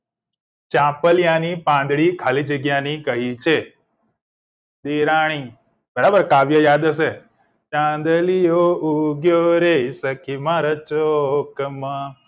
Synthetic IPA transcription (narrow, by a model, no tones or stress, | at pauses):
t͡ʃãpəljanipãnd̪ɭikʰalid͡ʒəɡjanikəɦit͡ʃʰe | d̪eɾaɽ̃i | bəɾabəɾkaʋjəjad̪əse | t͡ʃãnd̪əlijouɡjoɾeisəkʰimãɾət͡ʃokəma